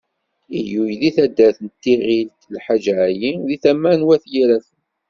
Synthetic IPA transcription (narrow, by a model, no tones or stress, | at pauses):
ijujliθæd̪ːæθənt̪ːiʁilt̪lħad͡ʒʕajiðiθæmːænwæθjiɾæθən